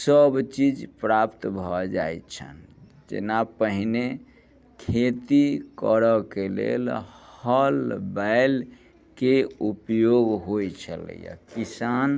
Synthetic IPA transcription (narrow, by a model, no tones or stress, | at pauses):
səbt͡ʃid͡ʒpɾapt̪bʱɔd͡ʒa̰jt͡ʃʰə̰n | d͡ʒḛnapəɦne | kʰet̪ikəɾəkelḛlhəlbaɪl | keupjoɡɦojt͡ʃʰələ̰ja̰kisan